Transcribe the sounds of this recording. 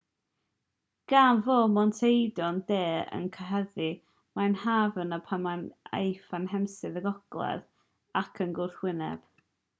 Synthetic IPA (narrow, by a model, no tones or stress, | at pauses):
ɡ̥aːnvoːmɔntʰejdɔndeːə̰nkʰəɦɛði | manhaːvənəpʰamana̰jfanɦɛmsɨðəɡɔɡ̥lˠɛ̰ð | akʰənɡʊrθwɪnɛ̰b̥